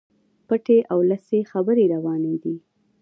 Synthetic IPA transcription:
pəʈeʔawləsexabəɾeɾawɑned̪i

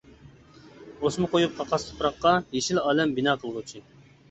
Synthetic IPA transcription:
osmʊqʰojup̚qʰɑqʰɑst̪ʰo̥pʰɾɑqːɑjeʃilɑːlɛmbinɑːqʰəlˠʁut͡ʃʰi

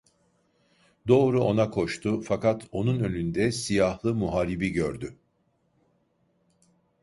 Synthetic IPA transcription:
d̪o̞ːɾuo̞nakʰo̞ʃt̪ʰʊfakat̪ʰo̞nunø̞nynd̪ɛsijahlˠɯmuɦaːɾibiɟøɾd̪y

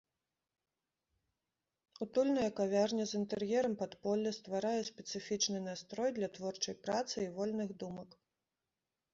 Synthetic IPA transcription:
ut̪ulʲnɐjɐkavʲarnʲɐzint̪ɛrjɛɾɐmpat̪pɔlʲːɐst̪vaɾajɛsʲpʲɛt̪sɨfʲit͡ʂnɨnast̪ɾɔjd̪lʲɐt̪vɔrt͡ʂɐjpɾat̪sɨivɔlʲnɨɣd̪umɐk

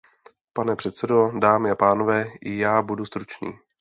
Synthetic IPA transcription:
panɛpr̥ɛt̪sɛdo̞daːmɪapaːno̞vɛːʔɪjaːbudust̪ɾut͡ʃnḭː

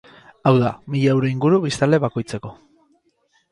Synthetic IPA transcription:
awðamiʎewɾoiŋɡuɾuβist̪ald̪e̞βako̞jt͡se̞ko̞

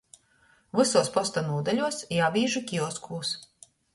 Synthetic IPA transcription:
vɨsuɔspɔst̪anuɔd̪alʲuɔsjaːvʲiːʒɨkʲiɔskʰuːs

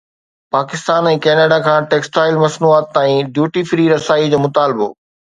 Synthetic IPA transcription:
paːkɪst̪aːnɛ̃ːkɛːnaːɖakʰãːʈeːksʈaːɪlmɐsnuaːt̪ːaːĩɖjuːʈifɾiɾɐsaːid͡ʑoːmʊt̪aːlɪbo̰ː

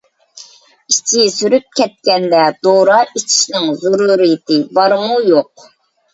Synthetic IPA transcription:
it͡ʃʰisyɾyp̚kʲʰɛt̪̚kʲɛnd̪ɛd̪̥oɾɑʔit͡ʃʰi̥ʃnɪŋzuɾuɾɨjt̪ʰɪbɑɾmujoq̚

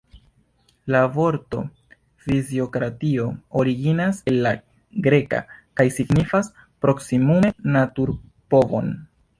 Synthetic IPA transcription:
lavo̞ɾto̞̰ | fizio̞kɾatio̞oɾiɡinase̞lːa | ɡɾe̞ka̰kajsiɡnifas | pɾo̞ksimume̞natuɾ | po̞vo̞̰n

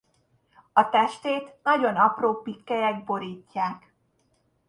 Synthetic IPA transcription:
ɒt̪ɛʃt̪eːt̪nɒɟo̞nɒproːpːikːɛjɛɡ̚bo̞ɾiːcːaːk

